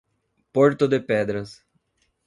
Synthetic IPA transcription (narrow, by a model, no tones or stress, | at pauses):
poɾt̪ʊd̪ɪpɛd̪ɾɐs